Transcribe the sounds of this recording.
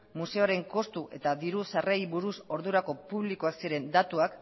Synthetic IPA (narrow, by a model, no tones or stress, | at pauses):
muse̞oɾe̞ŋko̞st̪uʔe̞̰t̪aðiɾusarejβuɾuso̞ɾðuɾako̞puβlikoaksiɾe̞nd̪at̪uak